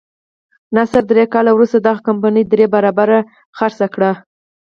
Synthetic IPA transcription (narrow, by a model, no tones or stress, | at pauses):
nasaɾd̪ɾekɑlawɾust̪ad̪ɑɣakampanəjd̪ɾebaɾɑbaɾa | xaɾsakɽa